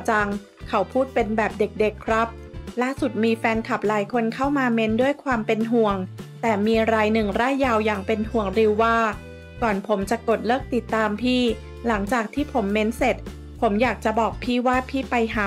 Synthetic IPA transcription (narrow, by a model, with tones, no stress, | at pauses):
t͡ɕa˧ŋ | kʰa˨˦wpʰuː˥˩t̪̚pe˧nbɛː˨˩p̚de˨˩k̚de˨˩kʰːɾa˦˥p̚laː˥˩su˨˩t̪̚miː˧fɛː˧nkʰa˨˩p̚laː˩˦jkʰo˧nkʰa˥˩wmaː˧me˦˥ndu˥˩əjkʰwaː˧mpe˧nɦu˨˩əŋt̪ɛː˨˩miː˧ɾaː˧jnɯ˨˩ŋɾaː˥˩jːaː˧wjaː˨˩ŋpe˧nhu˨˩əŋɾi˧wːaː˥˩ | kɔː˨˩npʰo˩˦mt͡ɕa˨˩ko˨˩t̪̚lɤː˥˩k̚t̪i˨˩t̪ːaː˧mpʰiː˥˩ | la˩˦ŋt͡ɕaː˨˩k̚t̪ʰiː˥˩pʰo˩˦mːe˦˥nse˨˩t̪̚ | pʰo˩˦mjaː˨˩k̚t͡ɕa˨˩bɔː˨˩k̚pʰiː˥˩waː˥˩pʰiː˥˩pa˧jɦaː˨˦